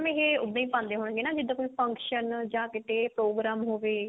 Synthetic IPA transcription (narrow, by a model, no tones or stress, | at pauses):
mẽːɦeːʊd̪ãːĩːpãːnd̪eːɦoːɽ̃ːɡeːnaːd͡ʒɪd̪ãːkoiːpʰə̃ŋkʃənd͡ʒãːkɪʈ̪ʰeːpɾoːɡɾaːmɦoːʋeː